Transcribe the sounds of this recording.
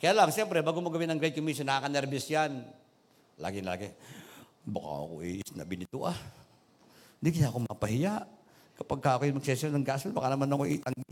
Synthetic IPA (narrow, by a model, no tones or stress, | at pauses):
kɐjaːlaŋʃɛmpɾɛbaːɡomoɡɐwɪnɐŋɡɾɛd̪̚komisonaakɐnɛɾbɪsjan | la̰ːɡɪnla̰ːɡe | baka̰ɐ̰ko̰ʔsna̰bɪnɪt̪ṵʔa | nd̪ikɪnaʔkomɐpɐhɪjaʔ | kɐpaɡ̚kaːkojʊmɐɡ̚sɛsolnɐŋɡasɛlbɐkanɐmanɐkoʔit̪aŋɡɪ